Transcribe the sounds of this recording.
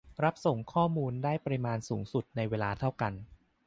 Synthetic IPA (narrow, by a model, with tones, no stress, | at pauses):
ɾa˦˥p̚so˨˩ŋkʰɔː˥˩muː˧ndaː˥˩jpa˧ɾi˦˧maː˧nsuː˩˦ŋsu˨˩t̪̚na˧jweː˧laː˧t̪ʰa˥˩wka˧n